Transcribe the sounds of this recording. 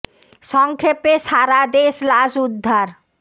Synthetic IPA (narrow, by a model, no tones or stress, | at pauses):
ʃɔŋkʰepeʃaɾad̪eʃlaʃud̪ʱːaɾ